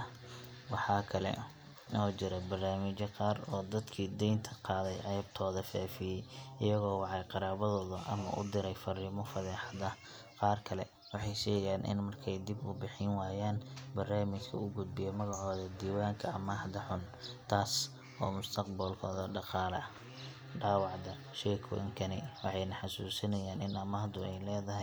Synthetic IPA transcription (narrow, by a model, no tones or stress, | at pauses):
wɑħɑːkʰɐlɛ̰ | nɔːt͡ʃɪɾɐbɐrnaːmɪt͡ʃɐqɑːrɔːd̪ɐd̪kʰiːd̪ɛjnt̪ʰɐqɑːðɛjʕɛːb̚t̪ʰɔːðɐfɛːfɪjɛjʔɪjɐɣɔːwɑʕɑjqɑɾaːβɐðɔːðʊʔɐ̰mɐ̰ʔʊ̰d̪ɪɾɛjfɐrɪmɔfɐðɛːħɑðɐ | qɑːrkʰɐlɛ̰ | wɑħɑjʃɛːjɛjaːnʔɪ̰nmɐrkʰɛjd̪ɪbʊbɪħɪnwaːjaːnbɐrnaːmɪt͡ʃkʰɐʊɡʊd̪̚bɪjɔmɐɣɑʕɔːðɐd̪iːwaːŋkʰɐɐmɐhd̪ɐħʊnt̪ʰaːs | ɔːmʊst̪ʰɐqbɐlkʰɔːðɐɖɑqɑːlɐ̰ʔɐ | ɖaːwɑʕd̪ɐ | ʃɛːkʰʊ̰ʔɪ̰ŋkʰɐnɪwɑħɑjnɐħɑsuːsɐnɐjaːnɪnɐmɐːd̪ʊɛjlɛːðɐɦɛ